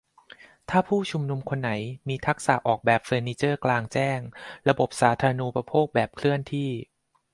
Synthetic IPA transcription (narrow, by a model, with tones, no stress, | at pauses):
t̪ʰaː˥˩pʰuː˥˩t͡ɕʰu˧mnu˧mkʰo˧nːa˩˦jmiː˧t̪ʰa˦˥k̚sa̰˨˩ʔɔː˨˩k̚bɛː˨˩p̚feː˧niː˧˥t͡ɕɤː˥˩klaː˧ŋt͡ɕɛː˥˩ŋɾa˧bo˨˩p̚saː˩˦t̪ʰaː˧ɾa˧nuː˧pɾa˧pʰoː˥˩k̚bɛː˨˩p̚kʰlɯ˥˩ənt̪ʰiː˥˩